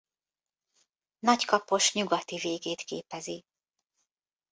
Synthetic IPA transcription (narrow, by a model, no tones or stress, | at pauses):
nɒckɒpo̞ʃɲuɡɒt̪iveːɡeːt̪kḛːpɛzi